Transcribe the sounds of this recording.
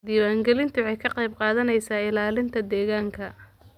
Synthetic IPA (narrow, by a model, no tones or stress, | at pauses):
d̪iːwaːŋɡɛlɪnt̪ʰʊʕɛjkʰɐqɑjb̚qɑːðɐnɛjsaːɪlaːlɪnt̪ʰɐd̪ɛːɣaːŋkʰɐ